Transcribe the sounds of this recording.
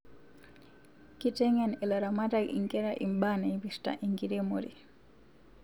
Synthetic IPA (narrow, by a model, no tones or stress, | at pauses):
kitɛŋɛnɛlaɾamatakḭŋkɛɾaʔḭmbanaibista̰ʔiŋɡidɛmoɾi